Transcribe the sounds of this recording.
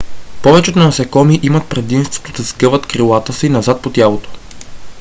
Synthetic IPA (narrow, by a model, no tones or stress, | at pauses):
pɔvɛt͡ʃɛot̪nɐɐsɛkɔmiʔimɐt̪̚pɾɛd̪imst̪vo̥t̪od̪ɐskɤvət̪kɾilˠat̪əsiinɐzat̪̚pot̪ʲjalˠot̪o̥